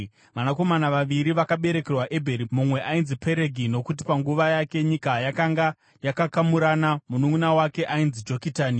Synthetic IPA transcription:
ʋanako̞manaʋaʋiɾiʋakaɓe̞ɾe̞ke̞rwaʔe̞bʱeɾimumwe̞ʔainzipe̞ɾe̞ɡʱino̞kut̬i̥paŋɡuʋajake̞ɲikajakaŋɡa | jakakamuɾanamunuŋunawake̞ʔainzid͡ʒo̞kitaːni

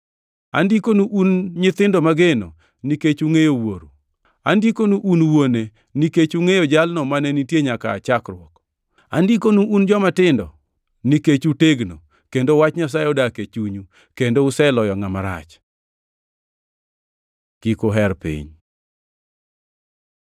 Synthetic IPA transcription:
a̰ndikonuʔunɲɪt̪ɪndomaɡeno̰ | niket͡ʃuŋejowoɾu | andikonuʔunwone | niket͡ʃuŋejod͡ʒalnɔmanɛnitjeɲaka̰ːt͡ʃakɾʊɔk | a̰ndikonuʔund͡ʒɔmatɪndɔ | niket͡ʃuteɡno | kendowat͡ʃɲas̬ajɔdaket͡ʃuɲu | kendoʊsɛlɔjɔŋamaɾa̰t͡ʃ | kikoɦɛɾpḭɲ

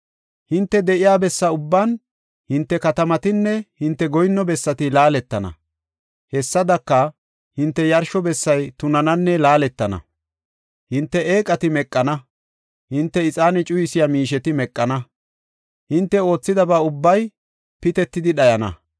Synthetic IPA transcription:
hɪnt̪ːɛd̪ɛʔɪjaːbɛsːɐʊbːan | hɪnt̪ːɛkɐt̪ɐmɐt̪ɪnːɛhɪnt̪ːɛɡɔjnːɔbɛsːɐt̪ɪlaːlɛt̪ːɐnɐ̰ | hɛsːɐd̪ɐkːɐ | hɪnt̪ːɛjɐɾʃɔbɛsːɐjt̪ʊnɐnɐnːɛlaːlɛt̪ːɐnɐ̰ | hɪnt̪ːɛʔeːkʼɐt̪ɪmɛkʼːɐnɐ | hɪnt̪ːɛɪt͡sʼaːnɛt͡ʃʼʊjɪsɪjamiːʃɛt̪ɪmɛkʼːɐnɐ | hɪnt̪ːɛo̞ːt͡sːɪd̪ɐbɐʊbːɐj | pɪt̪ɛt̪ːɪd̪ɪɗɐjɐnɐ̰

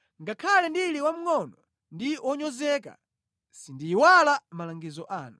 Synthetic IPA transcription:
ŋɡakʰalɛndiliwam̩ŋɔnɔ | ndiwɔɲɔzɛka̰ | sindiːwalamalaŋɡizɔʔa̰ːnu

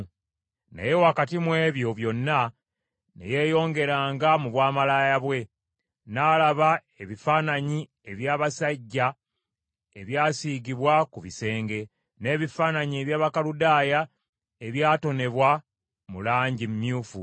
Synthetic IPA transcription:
nḛjewakatimwe̞ːβjo̞βjo̞nːa | nḛje̞ːjo̞ːŋɡe̞ɾaːŋɡamuβwaːmalaːjaβwe̞ | naːlaβa | e̞βifaːnaɲi | e̞βjaːβasaɟːa | eβjaːsiːɡiβwakuβise̞ːŋɡe̞ | ne̞ːβifaːnaɲieβjaːβakaludaːja | e̞βjaːto̞ne̞βwa | mulaːɲɟimmjuːfu

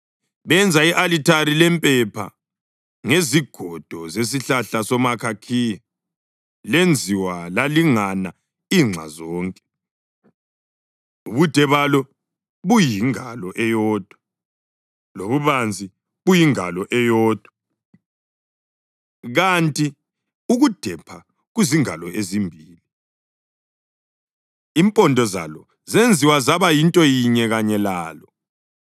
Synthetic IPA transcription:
βɛnd͡zʱaiʔalitʰaɾilɛmpʼɛpʰa̰ | ŋeziɡ̥ʱɔd̥ʱɔzes̬iɬaɬasɔmakʰakʰiji | lend͡zʱiwalaliŋana | iŋ͡ǁʱa̰zɔːŋkʼɛ̥ | uβud̥ʱɛβalɔ | βujiŋalɔʔɛjɔːd̥ʱwa | loβuβand͡zʱi | βujiŋalɔʔɛjɔːd̥ʱwa | ɣantʼi | uɣud̥ʱɛpʰa | ɣuziŋalɔʔezimbʱiːli | impʼɔndʱɔza̰lɔ | zend͡zʱiwazaβajintʼɔjiɲɛɣaɲɛlaːlɔ

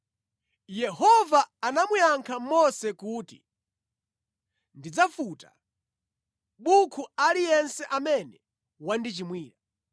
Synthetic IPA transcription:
jɛhɔvaːnamujaŋkʰamɔsɛkuːtḭ | ndid͡zafuta | ɓukʰualijɛnsɛʔamɛnɛ | wandit͡ʃimwiːɾa

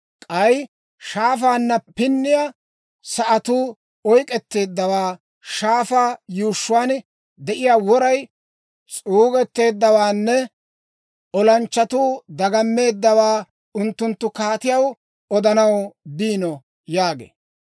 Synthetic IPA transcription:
kʼɐj | ʃaːfaːnːɐpɪnːɪja | sɐʔɐt̪uː | ɔjkʼɛt̪ːe̞ːd̪ːɐwaː | ʃaːfaːjuːʃːʊwaːn | d̪ɛʔɪjaːwɔɾɐj | t͡sʼuːɡɛt̪ːe̞ːd̪ːɐwaːnːɛ | ʔɔlɐnt͡ʃːɐt̪uːd̪ɐɡɐmːe̞ːd̪ːɐwaː | ʊnt̪ːʊnt̪ːʊkaːt̪ɪjɐw | ɔd̪ɐnɐwbiːnɔ | jaːɡḛː

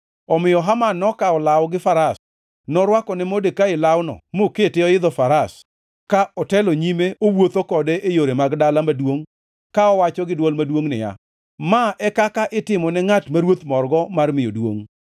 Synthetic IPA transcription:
ɔmɪjɔɦamanːɔkaɔlawɡɪfaɾas | nɔɾwakɔnɛmodekaɪlawnɔ̰moketɪɔɪd̪ɔfaɾas | kaʔɔtɛloɲimeowot̪okɔdeʔejoɾemaɡdalamadwoŋ | kaɔwat͡ʃɔɡɪdwɔlmadwoŋnɪ̰ja̰ | maʔɛkakaʔɪtɪmɔnɛŋatmaɾwot̪mɔrɡɔmarmɪjodwo̰ŋ

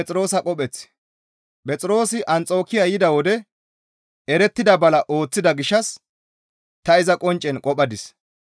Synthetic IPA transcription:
t͡sʼɾo̞ːsɐkʼɔpʼɛt͡sː | pʼɛt͡sʼɪɾo̞ːsɪʔɐnt͡sʼo̞ːkɪjajɪd̪ɐwɔd̪ɛ | ɛɾɛt̪ːɪd̪ɐbɐlɐʔo̞ːt͡sːɪd̪ɐɡɪʃːɐs | t̪ɐɪzɐkʼɔnt͡ʃʼːɛnkʼɔpʼɐd̪ɪs

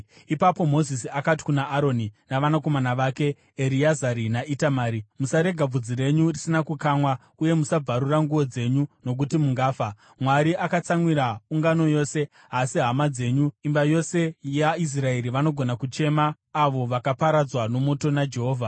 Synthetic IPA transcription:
ipapo̞mo̞zisiakati̥kunaʔːɾo̞ninaʋanako̞manaʋaːke̞ | eɾiazaɾinaʔitamaːɾimusaɾe̞ɡʱab͡vud͡zire̞ɲurisinakukaːmwa | uje̞musab͡vʱaɾuraŋɡuʋo̞d͡ze̞ɲuno̞k̬utimuŋɡaːfa | mwaɾiʔakat͡saŋwiɾauŋɡano̞jo̞se̞ | ɦasiɦamad͡ze̞ɲuimbajo̞se̞jais̬rae̞ɾiʋano̞ɡʱo̞nakut͡ʃe̞maː | ʋo̞ʋakapaɾad͡zwano̞mo̞to̞nad͡ʒe̞ɦo̞ːvʱa

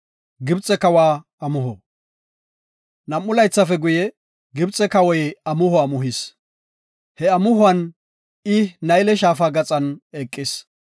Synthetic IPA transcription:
ɡɪbt͡sʼːɛkɐwaː | ɐmʊɦɔ | nɐmːʊlɐjt͡sːɐfɛɡʊjɛ | ɡɪbt͡sʼɛkɐwɔjɐmʊhʊaːmʊɦis | hɛɐmʊhʊɐn | ɪnɐjlɛʃaːfaːɡɐt͡sʼɐnɛkʼːɪs

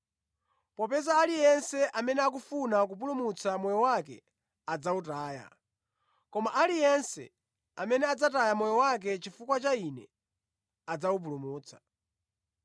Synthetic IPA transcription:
pɔpɛzaːlijɛnsɛʔamɛnɛak̬ufunak̬up̬ulumut͡samɔjɔwakɛ̰ | ad͡zautaːja̰ | kɔmaʔalijɛnsɛ̰ | amɛnɛad͡zatajamɔjɔwak̬ɛt͡ʃifukwat͡ʃainɛ | ad͡zawup̬ulumuːt͡sʰḁ

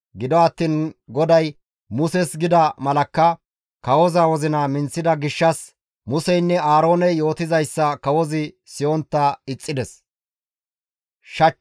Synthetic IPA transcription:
ɡɪd̪ɔɐt̪ːiːnɡɔd̪ɐj | mʊsɛsɡɪd̪ɐmɐlɐkːɐ | kɐwɔzawɔzɪnɐmɪnt͡sːɪd̪ɐɡɪʃːɐs | mʊsɛjnːɛaːɾo̞ːnɛjo̞ːt̪ɪzɐjsːɐkɐwɔzɪ | sɪjɔnt̪ːɐɪt͡sʼːɪd̪ɛs | ʃɐ

